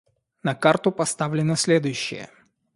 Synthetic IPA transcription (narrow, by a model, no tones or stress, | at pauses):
nɐkart̪ʊpɐst̪avlʲɪnəsʲlʲed̪ʊjʉɕːɪ̰jə̰